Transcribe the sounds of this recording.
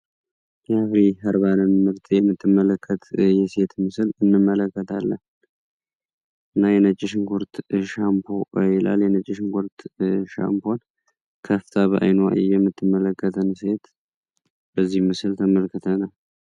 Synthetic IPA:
jɛhafɾiɦəɾβanɨnmɨɾt̪ʰʼjɛmːɨt̪ːɨmːələkʰːət̪jɛse̞t̪mɨslɨnːɨmːələkːət̪ʰalːən | ʔɨnːajɛnət͡ʃʼːɪʃŋkʰʊɾt̪ʃampʰojɛla̰ljɛnət͡ʃʼːɪʃŋkʰʊɾt̪ʃa̰mpʰon | kʰəft̪ʰaβəʔa̰jnoa̰jijɛmːɨt̪ʰːɨmːələkːət̪ʰənse̞t̪ | b̥əzːihmɨsɨlt̪ʰəməlkʰɨt̪ʰənəw

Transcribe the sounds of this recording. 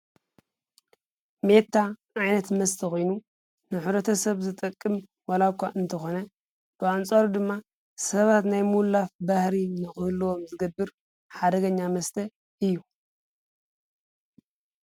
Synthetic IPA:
me̞t̪ʰːaʔajnɐt̪mɐst̪ʰɐxojnu | nɨħuβɾɐt̪ʰɐsɐβzɨt̪ʼɐkʼːɨm | walakʷːaʔɨnt̪ʰɐxo̞nɐ | b̥ɨant͡sʼaɾud̪ɨmːa | sɐβat̪najmulːafbahɾinɨxɨhɨlɨwo̞mzɨɡɐbːɨɾ | ħad̪ɐɡɐɲːamɐst̪ʰɐ | ʔɨjːu

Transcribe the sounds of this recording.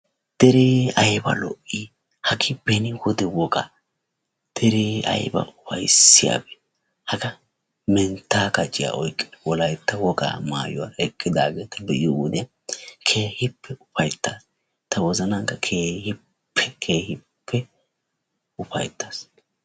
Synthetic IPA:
d̪̥ɛɾɪɐjbɐ̰lɔ̰ʔːi | hɐɡɪbɛnɪwɔd̪ɛwɔkʼɐ | d̪̥ɛɾɪɐ̰jbɐ̰ʊfɐjsːɪja̰ːbɛ̥ | hɐɡɐ | mɛnt̪ːaːkɐt͡ʃʼːɪja̰ʔɔjkʼːɪ̥d̪wɔlɐjt̪ːɐwɔɡʼa̰ːma̰ːjʊwaɛkʼːɪd̪aːɡeːt̪ɐbɛʔɪjɔwɔd̪ɪjɐ | kʰe̞ːhɪpʰːɛʊpɐjt̪ːaːs | t̪ɐwɔzɐnɐŋkːɐkʰeːhɪ | pʰːɛkʰe̞ːhɪ | pʰːɛ | ʊpɐjt̪ːaːs

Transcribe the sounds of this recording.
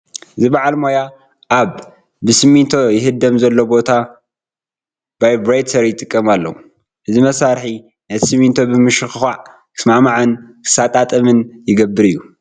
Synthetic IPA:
ʔɨzibaʕalmo̞ja | ʔaβː | ɨsɨmːint̪ʰo̞jɪɦɨd̪ːɐmzɐlːo̞bo̞t̪ʰa | b̥ajbɾajt̪ʰɐɾijɪt̪ʼɨkʼːɐmalːɐ̰wu | ʔɨzimɐsaɾħi | nɐt̪ʰi̥sɨmːint̪ʰobɨmɨʃɨxɨxaʕ | kʰɨ̥smamaʕankʰɨ̥sat̪ʼat̪ʼɐmɨnjɪɡɐbːɨɾɨjːu

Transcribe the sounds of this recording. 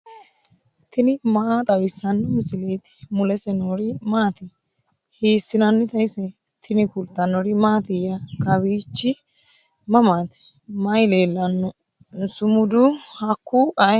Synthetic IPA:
t̪ɪnɪmɐʔat̪ʼɐwɪsːɐnːmɪsɪleːt̪ɪ̥mʊlɛsɛnɔɾɪmaːt̪ɪ | hiːsːɪnɐnːɪt̪ɐjsɛ | t̪ʰɪnɪkʊlt̪ːɐnɔɾɪmaːt̪ɪjɐkɐbiːt͡ʃːɪ | mɐmaːt̪ɛ̥ | mɐjleːlːɐnːɔ | sʊmʊd̪ʊhɐkːuʔɐj

